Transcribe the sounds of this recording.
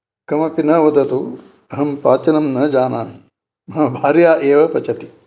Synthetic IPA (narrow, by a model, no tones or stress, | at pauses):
kɐmɐpinɐʋɐd̪ɐt̪u | ɐɦɐmpaːt͡ʃɐnɐmnɐd͡ʒaːnaːn | mɐɦɐbʱaːɾjaːʔeːʋɐpɐt͡ʃɐt̪i̥